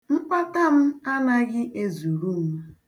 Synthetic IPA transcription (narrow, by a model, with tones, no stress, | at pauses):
m̩˦k͡pa˦ta˦m̩˦a˦na˦ɡɪ˦ʔe˦zu˨ɾu˦m̩˦